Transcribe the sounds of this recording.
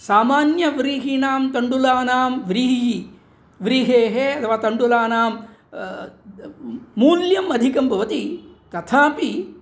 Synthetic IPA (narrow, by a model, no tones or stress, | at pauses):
saːmaːnjɐʋɾiːɦinaːmt̪ɐɳɖulaːnaːmʋɾiɦii | ʋɾiːɦeːɦeɐt̪ʰɐʋaːt̪ɐɳɖulaːnaːm | muːljɐmɐd̪ʱikɐmbʱɐʋɐt̪it̪ɐt̪ʰaːpi